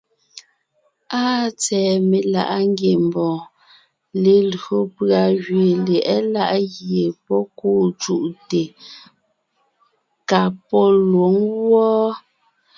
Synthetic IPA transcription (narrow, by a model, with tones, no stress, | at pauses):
aː˦t͡sɛː˨me˨la̰˨ʔa˦ŋ˦ɡje˨m˨bɔ̃ː˨ | le˨lɰo˨pɰa˨ɣɥe˨lɛ˨ʔɛ˦la˦ʔɣje˨pɔ˦kuː˦˨t͡ʃu˦˨ʔte˨ | ka˨pɔ˦lwo˨˦ŋɣwɔ˦